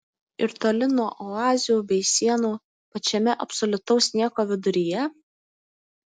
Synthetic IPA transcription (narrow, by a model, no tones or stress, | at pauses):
ɪɾt̪oːlʲɪnuɔʔɔɑːzʲɪjuːbʲɛɪsʲiɛnuː | pɐt͡ʃʲɛmʲɛʔɐpsɔlʲʊt̪ɒʊsʲnʲiɛkoːʋʲɪd̪ʊɾʲijɛ